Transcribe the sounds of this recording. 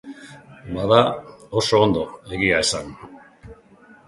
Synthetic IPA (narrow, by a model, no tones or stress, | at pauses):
baðaoso̞ːnd̪o̞e̞ɣiae̞san